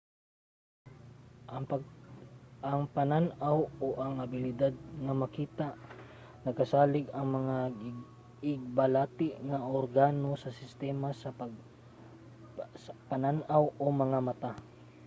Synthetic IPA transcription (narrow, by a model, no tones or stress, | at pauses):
pɐ | ʔɐŋpɐnanawoʔɐŋɐbɪlɪd̪ad̪̚ŋɐmɐkiːt̪aʔ | nɐɡ̚kɐsaːlɪɡɐŋmɐŋa | ɪɡ̚bɐlaːt̪ɪʔŋɐʔoɾɡaːnosɐsɪst̪ɛːmasɐpɐ | spɐnanʔawʔomɐŋamɐt̪a